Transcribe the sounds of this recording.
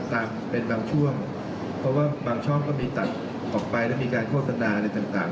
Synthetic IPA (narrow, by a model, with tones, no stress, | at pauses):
t̪aː˧m | pe˧nbaː˧ŋt͡ɕʰu˥˩əŋ | pʰɾɔ˦˥waː˥˩baː˧ŋt͡ɕʰɔ˥˩ŋkɔː˥˩miː˧t̪a˨˩t̪̚ | ʔɔː˨˩k̚pa˧jlɛ˦˥˩miː˧kaː˧nkʰoː˥˩t̪ʰa˧naː˧a˧la˧jt̪a˨˩ŋt̪aː˨˩ŋ